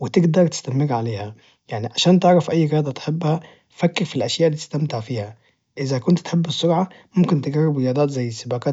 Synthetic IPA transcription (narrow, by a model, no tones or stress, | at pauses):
wɪt̪ɪɡd̪ɑɾˤt̪ɪ̥st̪amɪɾʕaleːhæ | jaʕniʕaʃæːnt̪ɪʕɾɑfʔæjːɣejɑːd̪ˤɑt̪ħɪbːhæ | fækːɪɾfilʔæʃjaːʔlːiːt̪ɪst̪amt̪ɪʕfiːhæ | ʔɪzækʊnt̪t̪ħebːɪsˤːʊɾʕɑ | mʊmkɪnt̪ɪɡɑrːɪbɾɪjɑːd̪ˤɑːt̪zæjːɪsːɪbæːkɑː